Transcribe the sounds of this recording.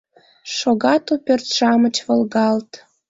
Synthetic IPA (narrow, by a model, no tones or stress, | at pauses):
ʃoɣɑt̪upʲørt̪ʃɑmə̆t͡ɕvə̆lɣɑlt̪